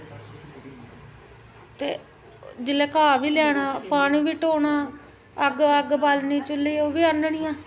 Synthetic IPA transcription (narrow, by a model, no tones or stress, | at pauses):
t̪eː | d͡ʒɪlɛːkaːʋiːljaːɽaːpaːɳiːʋiːʈoːɳaː | əɡəɡbaːlniːt͡ʃʊliːoːʋiːənəɳiːjãː